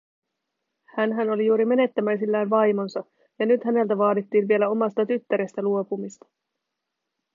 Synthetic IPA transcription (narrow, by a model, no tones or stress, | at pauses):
hænɦæno̞lijuːɾime̞ne̞t̪ːæmæjsilːæːnʋɑjmo̞nsɑ | jɑnyt̪hæne̞lt̪æʋɑːdit̪ːiːnʋie̞læo̞mɑst̪ɑt̪yt̪ːæɾest̪æluo̞pumist̪ɑ̥